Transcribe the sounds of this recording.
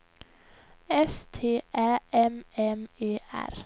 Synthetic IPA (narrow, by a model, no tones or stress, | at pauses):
ɛst̪ʰeːʔæːʔɛmɛmeːʔæ̰ɾ